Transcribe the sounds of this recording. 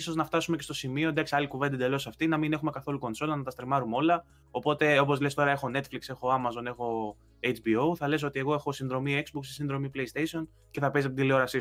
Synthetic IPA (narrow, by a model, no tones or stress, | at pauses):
so̞znɐft̪ɐsumece̞st̪o̞simio̞d̪ɐksiɐlikuvd̪id̪e̞lo̞sɐft̪inɐmine̞xume̞kɐθo̞luko̞nso̞lɐnɐt̪ɐst̪ɾimɐɾumolɐ | o̞po̞t̪e̞o̞p̬o̞zlest̪o̞ɾɐe̞xo̞ne̞t̪flikse̞xo̞ɐmɐzo̞ne̞xo̞ | et͡ʃbio̞wθɐle̞s̬o̞t̪ie̞ɣo̞e̞xo̞sinðɾo̞miekzbuksisinðɾo̞mipleist̪esio̞n | ce̞θɐpes̬ɐpit̪ileo̞ɾɐsi